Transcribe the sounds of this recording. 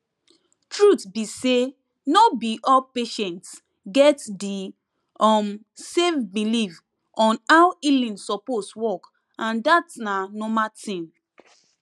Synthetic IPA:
tɹutbise | nobiʔɔpeʃɛ̃nt | ɡɛtdi | ɔm | sefbiliv | ʔɔ̃nawilĩnsɔposwɔk | ãndatnanɔmatʰĩm

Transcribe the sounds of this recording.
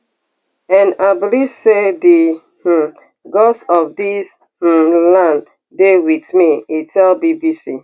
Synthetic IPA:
ɛ̃nabilivsedi | h̩ | ɡɔsɔfdis | h̩lãn | dewiθmiitʰɛlbibisi

